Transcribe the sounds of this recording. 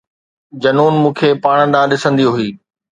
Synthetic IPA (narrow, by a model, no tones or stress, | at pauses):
d͡ʑɐnuːnmũːkʰeːpaːɽ̃əɗãːɗɪsə̃nd̪ijoɦʊiː